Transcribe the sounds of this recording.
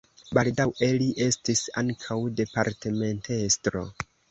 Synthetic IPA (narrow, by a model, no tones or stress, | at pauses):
baldawʔe̞liʔe̞stisa̰ŋkʰawde̞paɾteme̞nte̞stɾo̞̰